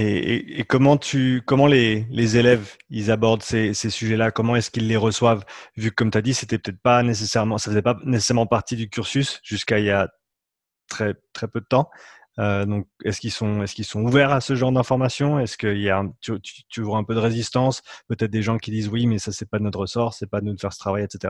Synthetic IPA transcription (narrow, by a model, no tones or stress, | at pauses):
eḛekɔmɑ̃t̪ʰykɔmɑ̃lelezelɛvilzabɔʁd̪sesesyʒɛlakɔmɑ̃ɛskilːeʁəswavvykːɔmt̪yad̪iset̪ɛpø̥t̪ɛt̪χpanes̬esɛʁmɑ̃safəzɛpanese̥sɛʁmɑ̃paʁt̪id̪ykʲyʁsysʒ̥yskailja | t̪χɛt̪χɛpød̪ət̪ɑ̃ | ød̪ɔ̃k̚ɛskilsɔ̃ɛskilsɔ̃uvɛʁasəʒɑ̃ʁd̪ɛ̃fɔʁmasjɔ̃ɛskəiljaɛ̃t̪yt̪y̥t̪yvwaɛ̃pød̪əʁezist̪ɑ̃spøt̪ɛt̪χ̚d̪eʒɑ̃kʲid̪iːzwimɛsasɛpad̪ənɔt̪χʁəsɔʁsɛpad̪ənud̪əfɛʁsə̥t̪χavajɛt̪set̪eʁa